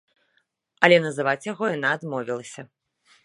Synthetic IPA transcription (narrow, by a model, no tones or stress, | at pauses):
ɐlʲɛnɐzɨvat͡sʲjaɣɔjan̪aːd̪mɔvʲilˠɐsʲɐ